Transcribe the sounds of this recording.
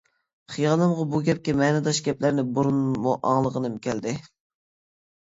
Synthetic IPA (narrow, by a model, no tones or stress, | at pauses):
χijɑnɨmʁɑbuɡʲɛp̚kʲɛmɛnɨd̪ɑʃɡʲɛplæɾnɪbuɾunmuʔɑ̰ŋlˠəʁənɨmkʲʰɛld̪ɪ